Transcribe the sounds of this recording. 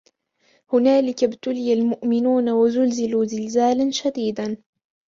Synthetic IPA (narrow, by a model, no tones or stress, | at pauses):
hʊnaːlɪkabt̪ʊlɪjalmʊʔmɪnuːnawazʊlzɪluːzɪlzaːlanʃad̪iːd̪an